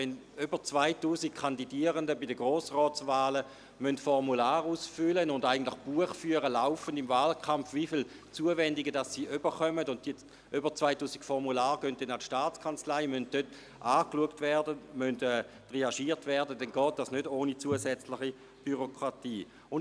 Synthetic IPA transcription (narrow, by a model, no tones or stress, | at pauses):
ɛn | ybət͡svaɪtuːzik̚kʰandidiəʁəndəbidəɡʁoːsʁɔːt͡svaːlə | mœntfɔʁmulaːʁuːsfʏlənʊndaɪɡən̩tlɪχb̥uəχfyːəʁəlaʊfəndɪmvaːlkʰamfvifil | t͡suəvɛndɪɡədasːiːʔyb̥əχœmədʊnt̚d̥iə | ʔybət͡svaɪtuːsi̥kfɔʁmulaːʁɡ̥ønt̚dɛnatʃtaːt͡skʰant͡slaɪmønt̚døt | ʔaːkluəktvɛʁdəmøntɛː | tʁeaʃiːʁtvɛɐdədɛnɡɔːt̚d̥asnødoːnit͡suəsɛt͡slɪχi | b̥yʁokʁ̥atiː | ʊn